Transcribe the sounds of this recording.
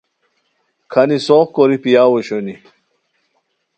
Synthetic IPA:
kʰɐnisoːχkoɾipijaːwoɕoni

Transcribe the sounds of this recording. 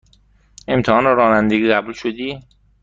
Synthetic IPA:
e̞mt̪ʰehɒːneɾɒːnænd̪eɡʲiːɣɢæbuːlʃod̪iː

